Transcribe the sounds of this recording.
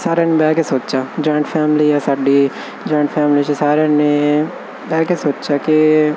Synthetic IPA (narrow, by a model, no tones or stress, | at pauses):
saːɾaːnebɛːɡesoːtt͡ʃaːd͡ʒɔːɪ̃ɳʈfʰɛːmliːasaːɖi | d͡ʒɔːɪ̃ɳʈfʰɛːmliːt͡ʃesaːɾaːne | bɛːkesoːtt͡ʃaːke